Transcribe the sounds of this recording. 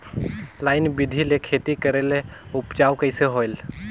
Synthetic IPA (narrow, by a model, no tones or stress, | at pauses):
laɪnbid̪ʱilekʰet̪ikəɾeleʊpt͡ʃawkəɪseɦojl